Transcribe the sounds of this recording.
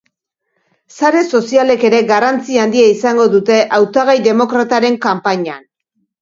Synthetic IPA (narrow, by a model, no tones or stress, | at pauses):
saɾe̞so̞siale̞ke̞ɾe̞ɣarant͡siand̪iaisaŋɡo̞ðut̪e̞ʔawt̪aɣajðe̞mo̞kɾat̪aɾe̞ŋkampaɲan